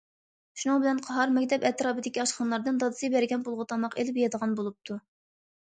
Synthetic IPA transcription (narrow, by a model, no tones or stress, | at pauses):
ʃunɨŋbɪlɛnqʰɑɦɑɾmɛkʲt̪ʰɛpɛt̪ɾɑːbɨd̪ɪkʲiɑʃχɑnlˠɑɾd̪ɨnd̪ɑd̪ɨsɨbæɾɡʲɛnbolˠʁʊt̪ʰɑmɑqelɪpjɑd̪əʁɑnbolˠup̚t̪ʰu